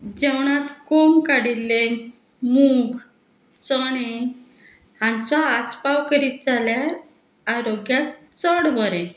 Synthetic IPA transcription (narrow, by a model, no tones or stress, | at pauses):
d͡ʑɛwɳat̪komkaɽilːe | muɡ | t͡səɽe | hãnt͡sɔaspawkəɾiːt̪̚d͡zaljaː | ɾoɡjat̪ | t͡səɽbəɾɛ̃